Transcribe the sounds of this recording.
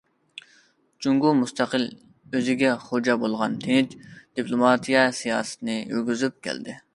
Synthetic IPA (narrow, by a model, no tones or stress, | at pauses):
t͡ʃuŋɡumust̪ʰæqəl | øzɪɡʲɛχod͡ʒɑbolˠʁɑnt̪ʰɪnɪt͡ʃ̪d̪̥ipʰlˠomɑt̪ʰijɛsijɑːsɨ̥t̪ʰɨnɨjy̰ɾɡʲyzyp̚kʲʰæ̰ld̪ɪ